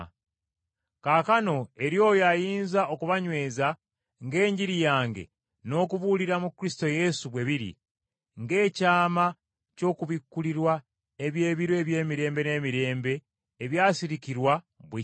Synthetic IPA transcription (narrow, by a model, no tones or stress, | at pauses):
kaːkano̞e̞ɾjo̞ːjoajiːnzaʔo̞kuβaɲwe̞ːza | ŋɡe̞ːɲɟiɾijaːŋɡe̞̰ | no̞ːkuβuːliɾamukɾisi̥to̞je̞suβwe̞βiɾḭ | ŋɡe̞ːcaːma | co̞ːkuβikːuliɾwa | eβje̞ːβiɾwe̞βje̞ːmiɾe̞ːmbe̞ne̞ːmiɾe̞ːmbe̞ː | βjaːsiɾikiɾwa | βwe